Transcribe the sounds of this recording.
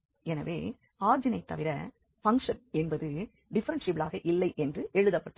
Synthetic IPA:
ɛnɐʋḛː | aːɾd͡ʒɪnɐɪt̪ːɐ̰ʋɪɾɐ̰ | fɐŋkʂɐnɛnbɐðɯ | ɖɪfɐɾɐnʂɪpːlaːɣɐʔɪlːɐɪʔɛndrɯʔɛɻɯðɐpːɐʈːɯ

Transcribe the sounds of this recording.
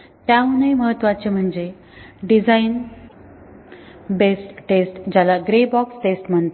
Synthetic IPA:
t̪jaunejməɦət̪ːʋat͡ɕem̤əɳd͡ze | ɖid͡zain | besʈʈesʈd͡ʑalaɡɾebɔksʈesʈm̤əɳt̪

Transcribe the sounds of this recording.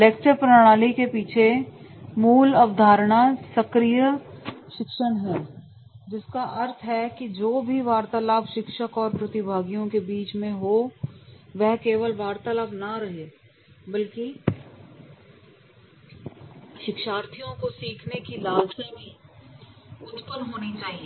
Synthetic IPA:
leːk̚t͡ʃəɾpɾəɽ̃aːlikepiːt͡ʃʰemuːləʋd̪ʱaːɾɽ̃asəkɾijəʃɪkʃəɳɦɛː | d͡ʒɪskaʔɐɾt̪ʰɦɛkid͡ʒoːbʱiʋaːɾt̪əlaːbʃɪkʃəkɔːɾpɾɐt̪ɪbʱaːɡijõkebiːt͡ʃmẽɦo | ʋɛɦkeːʋəlʋaːɾt̪alaːbnɐɾɐɦe | bɐlki | ʃɪkʃaːɾt̪ʰijõkosiːkʰnekilaːlt̪ibʱi | ʊt̪pənɦoːnit͡ʃaːɦieː

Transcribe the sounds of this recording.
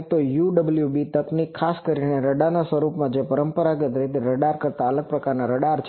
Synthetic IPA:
t̪ojuɖəbəljubit̪əknikʰːaskəɾineɾəɖanasʋəɾupmãd͡ʒepəɾəmpəɾaɡət̪əit̪eɾəɖaɾkəɾt̪aələɡ̚pɾəkaɾnaɾəɖaɾt͡ʃʰ

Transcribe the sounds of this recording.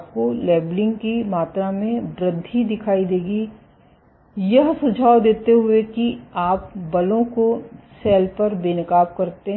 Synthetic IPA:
p̚kolɛːblɪ̃ŋɡkimaːt̪ɾamẽbɾəd̪ʱːid̪ɪkʰaːid̪eːɡi | jɐɦsʊd͡ʒʱaːod̪eːt̪eɦʊekiaːp̚bɐlõkosɛːlpɐɾbeːnɪkaːp̚kɐɾt̪e

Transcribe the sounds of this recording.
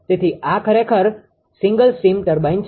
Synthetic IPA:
t̪et̪ʰiʔakʰəɾekʰəɾ | sĩŋɡəlsimʈəɾbajnt͡ʃ

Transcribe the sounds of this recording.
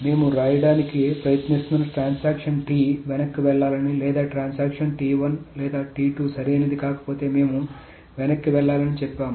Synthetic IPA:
me̞ːmuɾaːjɐɖaːnikipɾɐjɐt̪nist̪nɐnʈɾaːnsaːkʂɐnʈiːʋɛnɐkːiʋɛɭːaːlɐnilɛːd̪aːʈɾaːnsaːkʂɐnʈiːʋɐnlɛːd̪aːʈiːʈuːsɐɾened̪ikaːkɐ̥po̞ːt̪e̞ːme̞ːmu | ʋɛnɐkːiʋɛɭːaːlɐnit͡ʃɛpːaːmu

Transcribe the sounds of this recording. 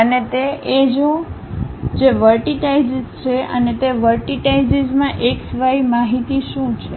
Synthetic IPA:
ənet̪eed͡ʒo | d͡ʒeʋəɾʈiʈajzzt͡ʃʰeʔə̰net̪eʋəɾʈiʈaijzizmãʔeksʋaimaɦit̪iʃũt͡ʃʰe

